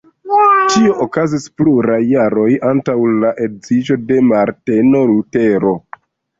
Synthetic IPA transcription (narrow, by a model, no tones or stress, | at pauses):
t͡ʃio̞ʔokazispluɾajːaɾo̞jantawlaʔe̞dzid͡ʒo̞de̞maɾte̞no̞ɾute̞ɾo̞